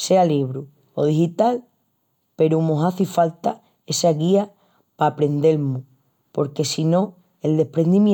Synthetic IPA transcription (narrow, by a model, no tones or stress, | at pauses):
se̞aliβɾu | oð̞ihit̪al | pe̞ɾumõɦaθifalt̪a | e̞saɣia | paːpɾe̞nd̪e̞lmu | po̞ɾke̞sinõ̞ | e̞ld̪e̞hpɾe̞nd̪imj